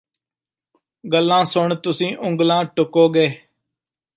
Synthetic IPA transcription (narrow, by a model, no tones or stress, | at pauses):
ɡəlːãːsʊɳt̪ʊsĩːʔʊ̃ŋɡlãːʈʊkoːɡeː